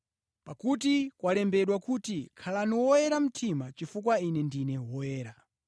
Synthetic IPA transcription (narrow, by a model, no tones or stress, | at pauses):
pakutikwalɛmbɛɗwakutikʰalaniwɔjɛɾam̩tʰimat͡ʃifukwainɛndinɛwɔjɛːɾa